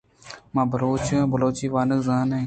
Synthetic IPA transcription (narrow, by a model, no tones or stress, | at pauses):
mãːbʱəɾoːt͡ʃãːbəloːt͡ʃiːʋaːnəkzaːnẽː